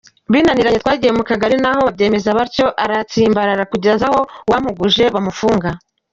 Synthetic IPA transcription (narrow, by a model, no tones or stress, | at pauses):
βiːnaniɾaɲe̞t̪̚waːɟijemukaɡaɾinaɦo̞abje̞ːme̞zaβaɾco̞ʔaɾat͡siːmbaɾaɾakuɟeɾazaho̞wam̥uɡuʒe̞βamufuːŋɡa